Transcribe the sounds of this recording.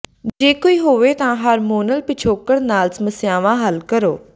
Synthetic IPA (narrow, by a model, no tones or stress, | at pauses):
d͡ʑeːkoiɦoʋet̪ɐãɦɐɾmoːnəlpɪt͡ʃʰoːkəɽnaːlsmɐsjãːʋãɦɐlkɐɾoː